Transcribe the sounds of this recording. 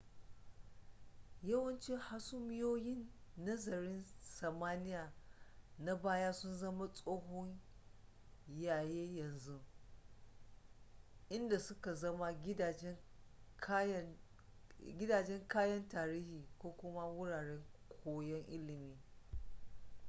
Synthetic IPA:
jɐ˦wɐ˦nt͡ʃi˦ha˦sʊ˦mɪ˦joː˦jɪ˦nːɐ˦zɐ˨ɾɪ˦nsɐ˨maː˦nɪ˦jaː˨na˦baː˦jaː˦sʊ˦nzɐ˦ma˦sʼoː˦ɦɔ˦ɲ | jaː˨jeː˦jɐ˨nzu˦ | ʔɪ˦nda˨sʊ˦ka˨zɐ˦ma˦˨˦ | ɡʲɪ˦daː˨d͡ʒɛ˦ŋkaː˦jɐ˦ntaː˨ɾiː˦hiː˨kʷoː˦kʷʊ˦ma˦wʊ˦ɽaː˨ɽɛ˦ŋkʷʰoː˦jɛ˦ŋʔɪ˦lɪ˨miː˨

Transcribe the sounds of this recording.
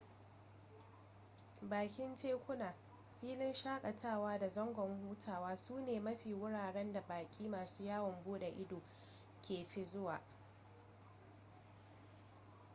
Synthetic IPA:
baː˨kʲɪ˦nt͡ʃeː˦kʷʊ˦naː˨ | ɸiː˦lɪ˦nʃaː˦kʼɐ˨tʰaː˦˨waː˦da˨zɔ˦ŋɡʷɔ˨ŋhuː˦tʰaː˨waː˦suː˦neː˨mɐ˦ɸiː˨wʊ˦ɽaː˨ɽɛ˦nda˨baː˨kʲʼiː˦maː˨suː˦jaː˦wɔ˨mbuː˦ɗe˨ʔɪ˦doː˨ | kʲʰeː˨ɸi˦zʊ˦waː˨

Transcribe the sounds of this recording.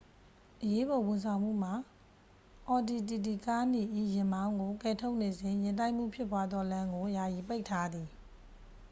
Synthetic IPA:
ʔəje˦bɔ˨wɪ̃˨nsʰã˨ʊ̃m̥ṵ˦˨m̥a˨ | ʔɔ˨di˨t̬i˨t̬i˨ka˦n̥i˨ʔḭ˦˨jɪ̃˨mbã˦ʊ̃ŋɡo˨kɛ˨tʰo˦ʊʔne˨zɪ̃˨jɪ̃˨nt̬ã˦ɪʔm̥ṵ˦˨pʰjɪ˦pːwa˦d̪ðɔ˦lã˦ŋɡo˨ja˨ji˨pe˦ɪʔtʰːa˦d̪ði˨

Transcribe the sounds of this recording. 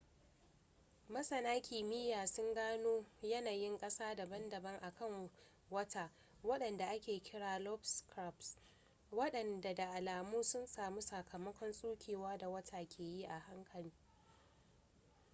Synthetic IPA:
mɐ˦sɐ˨naː˦kʲiː˨mɪ˦jaː˨sʊ˦ŋɡaː˦noː˦jɐ˦naː˨jɪ˦ŋkʼɐ˦saː˦da˨bɐ˦ndɐ˨bɐ˦ŋʔa˨kɐ˦˨ŋ | wɐ˦tʰaː˦ | wɐ˦ɗɐ˨nda˨ʔa˦kʲeː˨kʲɪ˦ɽaː˨lɔ˦bskɾa˦˨ps | wɐ˦ɗɐ˨nda˨da˨ʔa˨laː˨muː˦sʊ˦nsaː˨mu˦sɐ˨kʰɐ˨mɐ˦kʷɔ˦nsʼuː˦kʲeː˨waː˦da˨wɐ˦tʰaː˨kʲʰeː˨ji˦ʔa˨ha˦ŋkʰɐ˨liː˦

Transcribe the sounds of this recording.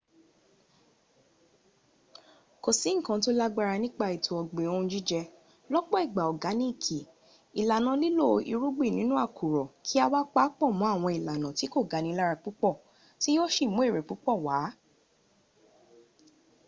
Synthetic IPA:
ko˨sĩ˨˦ŋ̩̃˦˨kã˧to˦la˦ɡ͡ba˧ɾa˧nĩ˦k͡pa˧i˨tʰo˨˦ɔ˧ɡ͡be˨õ˦˧˦d͡ʒi˦d͡ʒɛ˧ | lɔ˦ɡ͡bɔ˦i˦˨ɡ͡ba˨ɔ˨ɡa˨˦nĩ˦i˦˨kʰi˨ | i˨la˨nã˨˧˦li˦lo˦˨˧ʔi˧ɾu˦ɡ͡bi˦˨nĩ˨˦nũ˦a˦˨kʰu˨ɾɔ˨kʰi˦a˧wa˦k͡pa˦k͡pɔ˦˨mɔ̃˨˦a˦˨w̃ɔ̃˧i˨la˨nã˨ti˨˦ko˦˨ɡa˨˦nĩ˧˦la˦ɾa˧k͡pu˨˦k͡pɔ˦˨ | ti˦jo˦ʃi˦˨mũ˨˦e˦˨ɾe˨k͡pu˨˦k͡pɔ˦˨wa˨˦

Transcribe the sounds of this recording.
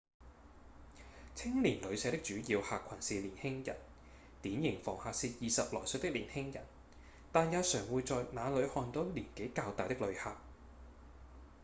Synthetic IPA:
t͡sʰɪ˥ŋliː˨˩nlɵ˨˧ɥsɛː˨˧t̪ɪ˥k̚t͡ʃyː˨˥jiː˧whaː˨kʷʰɐ˨˩nsiː˨liː˨˩nhɪ˥ŋjɐ̰˨˩n | t̪iː˨˥njɪ˨˩ŋfɔː˨˩ŋhaː˨k̚siː˧t̚jiː˨sɐ˨p̚lɔː˨˩sɵ˨˧t̪ɪ˥k̚liː˨˩nhɪ˥ŋjɐ̰˨˩n | t̪aː˨njɐ˨˧wsœː˨˩ŋwuː˨˧jt͡sɔː˨jnaː˨˧lɵ˨˧ɥhɔː˧nt̪ɔ˨˥wliː˨˩nke˨˥jkaː˧wt̪aː˨jt̪ɪ˥k̚lɵ˨˧ɥhaː˧k̚

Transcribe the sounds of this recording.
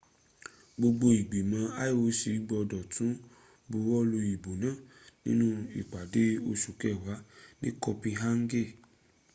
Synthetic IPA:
ɡ͡bo˧ɡ͡bo˧i˨ɡ͡bi˨mã˧a˦o˨˦ʃi˨˦ɡ͡bɔ˧dɔ˨tʰũ˨˦ | bo˧wɔ˦lo˧i˨bo˨nã˦˨nḭ̃˦nũ˦ḭ˦˨k͡pa˨de˨˦o˧ʃu˨kɛ˦˨wa˨˦nḭ̃˦kɔ˧pĩ˧ɦa˦ŋ̩˦ɡe˦˨

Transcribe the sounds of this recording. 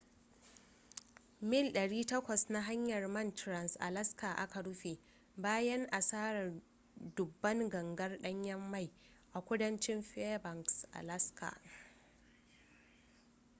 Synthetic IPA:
mɪ˦˨lɗɐ˨ɽiː˦tɐ˦kʷɐ˨sna˦ɦa˦ɲjɐ˨rmɐ˦˨ntɾɐ˦nsʔa̰˨lɐ˦ska˨ʔa˦kɐ˨ɽʊ˦ɸe˨ | baː˦jɐ˦ŋʔa˨saː˦ɾɐ˨ | dʊ˨bːɐ˦ŋɡɐ˨ŋɡɐ˦rɗɐ˦ɲjɐ˦mːa˦˨j | ʔa˨kʷʊ˦dɐ˦nt͡ʃɪ˦mɸɛ˦bɐ˨ŋksʔa̰˨lɐ˦skʰa̰˨

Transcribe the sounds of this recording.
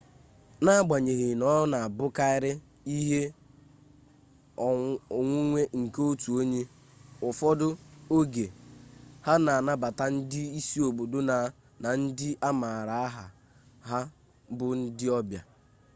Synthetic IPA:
na˦a˦ɡ͡ba˨ɲe˨ɦɪ˨nɔ˦na˨a˨bʊ˦ka˦ɪ˦ɾɪ˦ | i˦ɦe˦˨ | ŋʷʊ˦ŋʷe˦ŋ̩˨ko˦tu˨o˦ɲe˦ | ʊ˨fɔ˦dʊ˦o˦ɡe˨ | ha˦na˨a˨na˦ba˨ta˦n̩˦dɪ˦i˦si˦o˨bo˨do˦na˨˦ | na˨n̩˦dɪ˦ʔa˦ma˨ɾa˨a˦ɦa˨ | ɦa˦ | bʊ˨n̩˦dɪ˦ɔ˦bja˨

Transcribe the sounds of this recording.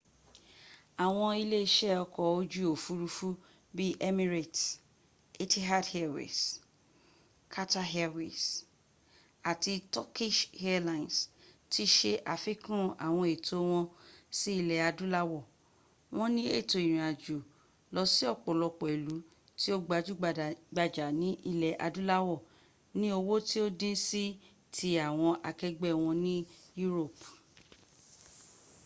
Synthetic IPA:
a˨w̃ɔ̃˧i˧le˦i˦ʃɛ˦ɔ˧kɔ˨o˦d͡ʒu˦o˨fu˦ɾu˧˦fu˦ | bi˦ʔɛ˦mĩ˦ɾe˨t | e˦ti˦ɦa˦dhɛ˦˨wɛ̰˨s | kʰa˦ta˦ɦɛ˦wḭ˨s | a˨ti˧tɔ˦ki˦ʃhɛ˦lã˨nsti˦ʃe˧ʔa˨fi˦kũ˦ũ˦ʔa̰˨w̃ɔ̃˧˨e˨tʰo˨˦w̃ɔ̃˧si˦i˧˨lɛ˨a˧dũ˦la˦wɔ˦˨ | w̃ɔ̃˦nĩ˦e˦˨to˨i˨ɾ̃ĩ˨a˨d͡ʒu˨ | lɔ˧˦si˦ɔ˦˨k͡pɔ˨lɔ˧k͡pɔ˨i˨lu˨˦ | ti˦o˦ɡ͡ba˨˧d͡ʒu˦ɡ͡ba˨da˨ɡ͡ba˧d͡ʒa˨nĩ˦ʔi˧lɛ˨ʔa̰˧dũ˦la˦wɔ˦˨ | nĩ˦o˧wo˦ti˦o˦dĩ˦si˦ | tʰi˧a˨w̃ɔ̃˧ʔa˧kɛ˦ɡ͡bɛ˦˨w̃ɔ̃˧nĩ˦ju˦ɾo˦˨p

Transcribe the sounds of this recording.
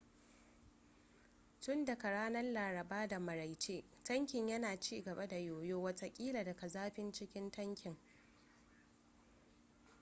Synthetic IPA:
tʊ˦nda˨ka˨ɽaː˦nɐ˦rlaː˨ɾɐ˨baː˦da˨mɐ˨ɾa˨jt͡ʃeː˦ | tɐ˦ŋkʲɪ˨ɲjɐ˦naː˨t͡ʃiː˦ɡɐ˨ba˦da˨joː˨joː˦wɐ˦ta˦kʲʼiː˦la˨dɐ˨ka˨zaː˦ɸɪ˦nt͡ʃɪ˦kʲɪ˦ntɐ˦ŋkʲɪ˨ŋ

